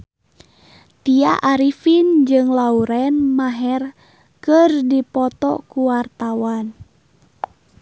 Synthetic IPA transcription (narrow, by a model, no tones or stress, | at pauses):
t̪iaʔaɾifind͡ʒɨŋlauɾɛnmaɦɛr | kɨrdipɔt̪ɔ̰kuwart̪awan